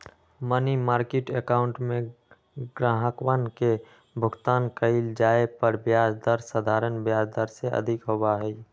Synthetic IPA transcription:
mənimaːɾkeʈekaʊ̃ɳʈmẽ | ɡɾaːɦəkʋənke | bʱʊɡt̪aːnkəɪld͡ʒaːepəɾbjaːd͡ʒd̪əɾsəd̪ʱaːɾənbjaːd͡ʒd̪əɾseʔə̰d̪ʱɪkɦowaɦɛi

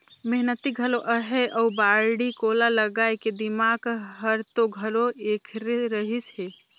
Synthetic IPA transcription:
meɦnət̪iɡʱəloʔəɦeʔəubaɽikolaləɡajked̪imaɡɦəɾt̪oɡʱəloekʰɾeɾəɦisɦe

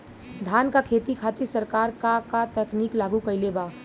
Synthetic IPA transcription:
d̪ʱaːnkakʰet̪ikʰat̪iɾsəɾkaːɾkakat̪ɛkniːklaːɡukəɪleba

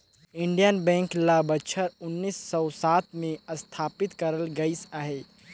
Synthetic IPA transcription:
iɳɖijənbɛ̃ŋklabət͡ʃʰəɾunːisːɔʊsat̪ʰmeəst̪ʰapit̪kəɾəlɡəɪsaɦe

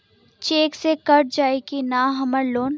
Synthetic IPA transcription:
t͡ʃeːksekɐɾʈd͡ʒaːekinaːɦɐməɾloːn

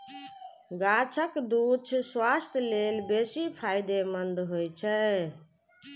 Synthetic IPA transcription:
ɡat͡ʃʰəkd̪ut͡ʃʰswast̪ʰlelbesipʰajd̪emənd̪ɦojt͡ʃʰɛ

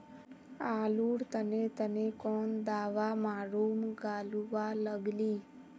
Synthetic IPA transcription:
aːluːɽt̪ənet̪ənekɔːnd̪aːʋamaːɾoːmɡaːluʋaləɡliː

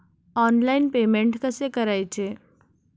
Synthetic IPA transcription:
ɔːnlaːɪnpeːmẽɳʈkɐsekɐɾaːjt͡ʃʰe

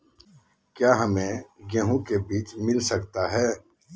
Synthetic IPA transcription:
kjaːɦɐmẽɡẽɦũkebiːt͡ʃmɪlsɐkt̪aɦɛː

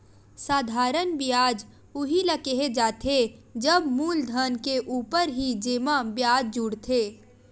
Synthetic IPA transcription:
saːd̪ʱaːɾənbiaːd͡ʒ | ʊɦiləkeɦed͡ʒaːt̪ʰed͡ʒəbmuːld̪ʱənkeʔuːpəɾɦid͡ʒeːmãbjaːd͡ʒd͡ʒuɽt̪ʰeː

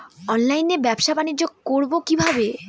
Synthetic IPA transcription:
ɔnlajnebɛpʃabanid͡ʑoɡ̚koɾbokibʱabe

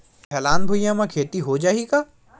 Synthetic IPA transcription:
hʰɛːlaːnbʱʊijãmãkʰeːt̪iɦod͡ʒaːɦikaː

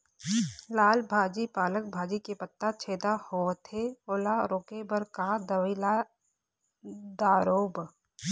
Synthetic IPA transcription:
laːlbʱaːd͡ʒipaːlək̚bʱaːd͡ʒikepət̪ːat͡ʃʰeːd̪ahoːt̪ʰeoːlaɾoːkebəɾkad̪əʋɪla | d̪aːɾoːb

